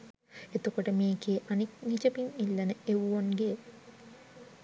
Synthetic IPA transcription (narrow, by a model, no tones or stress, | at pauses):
et̪okoʈəmiːkijeʔɐniknid͡ʒɐpiŋilːɐnəeʋuʋoŋɡe